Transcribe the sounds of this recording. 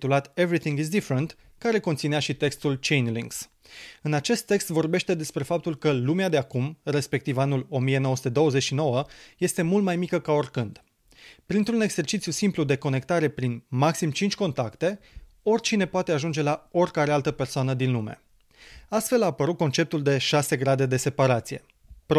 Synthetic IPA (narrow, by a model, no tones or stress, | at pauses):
t̪ulat̪e̞vɾiθiŋɡizd̪ifɾent̪ | kaɾe̞kont̪sineaʃit̪e̞kst̪ult͡ʃe̞jnliŋks | ɨnat͡ʃe̞st̪ːe̞kst̪vo̞rbe̞ʃt̪e̞d̪e̞spɾe̞fap̚t̪ulkəlumead̪e̞akumre̞spe̞k̚t̪ivanulo̞mije̞no̞oəsut̪e̞d̪o̞wəzet͡ʃʲʃino̞wəje̞st̪e̞mult̪majmikəkao̞rʲkɨnd̪̥ | pɾint̪ɾune̞ɡz̥e̞rt͡ʃit̪sjusimplud̪e̞ko̞ne̞kt̪aɾe̞pɾinmaksimt͡ʃint͡ʃʲko̞nt̪akt̪e̞ | o̞rʲt͡ʃine̞poat̪eaʒund͡ʒe̞lao̞rʲkaɾealt̪əpe̞rsoanəd̪inlume̞̰ | ast̪fe̞laːpəɾut̪̚ko̞nt͡ʃe̞p̚t̪uld̪e̞ʃase̞ɡɾad̪e̞d̪e̞se̞paɾat̪sije̞̰ | p